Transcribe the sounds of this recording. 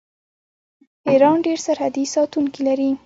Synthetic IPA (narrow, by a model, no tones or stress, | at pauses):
iɾɑnɖeɾsaɾhad̪isɑt̪uŋkilaɾi